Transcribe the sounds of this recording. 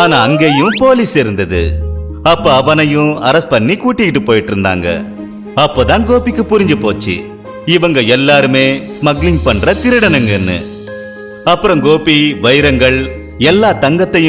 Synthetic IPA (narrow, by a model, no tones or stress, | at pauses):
aːnaːɐŋɡeːjɯ̃poːliːsɪɾɯnd̪ɐðɯ̰ | ɐpːoːɐʋɐnɐjɯ̃ɐɾɐspɐɳːikuːʈːɪkɪʈːɯpːoːjɪʈːɪɾɯnd̪a̰ːŋɡɐ̰ | ɐpːoːt̪ãːnɡoːpɪkːɯpʊɾɪɲd͡ʒɯpoːt͡ʃːḭ | ɪʋɐŋɡɐɛlːaːɾɯmeːsmɐɡlɪŋɡpɐɳrɐt̪ɪɾɯɽɐnɐŋɡɛnːɯ̰ | ɐpːɯɾɐ̃mɡoːpiʋɐjɾɐŋɡɐɭ | ɛlːaːt̪ɐŋɡɐt̪ːɐjɯ̃